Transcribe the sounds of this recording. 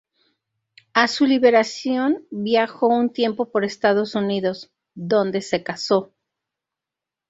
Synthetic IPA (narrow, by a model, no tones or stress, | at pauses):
asuliβe̞ɾasjo̞nbjaxo̞unt̪je̞mpo̞po̞ɾe̞st̪að̞o̞suniðo̞z | ðo̞nd̪e̞se̞kaso̞